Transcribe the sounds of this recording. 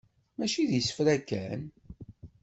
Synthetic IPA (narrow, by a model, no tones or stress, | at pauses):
mæʃiðjəsə̥fɾækːæn